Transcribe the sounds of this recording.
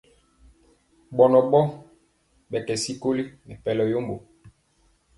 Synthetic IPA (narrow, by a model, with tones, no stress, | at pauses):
ɓɔ˨nɔ˨ɓɔ˦ | ɓɛ˨kɛ˨si˦ko˦li˦nɛ˨pɛ˨lɔ˨jo˦mbo˨